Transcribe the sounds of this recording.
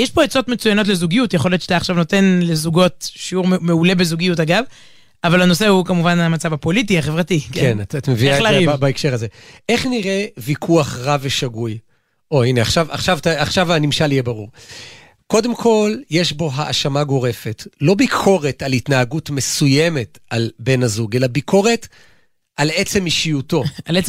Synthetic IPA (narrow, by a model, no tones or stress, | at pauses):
jeʃpo̞et͡so̞tmet͡sujano̞t̬le̞zuɡijutjeχoljotʃet̪aχʃavno̞te̞nlezuɡo̞tʃiuʁmmeule̞be̞zuɡijutaɡav | avalano̞sehukamuvanamat͡savapo̞lit̬iaχe̞vʁatikeenatat̪amevialaʁivbaekʃe̞ʁazee̞χniʁe̞vikʰuaχʁaveʃaɡuj | o̞ineaχʃava̰χʃavtaaχʃavanimʃalijebaʁuʁ | ko̞demkʰo̞lje̞ʃbo̞ɦaʔːʃamaɡo̞ʁe̞fe̞tlo̞bikʰo̞ʁe̞talitnaaɡutme̞suje̞me̞talbe̞nazuɡe̞labikʰo̞ʁe̞t | ʔale̞t͡se̞miʃijuto̞ale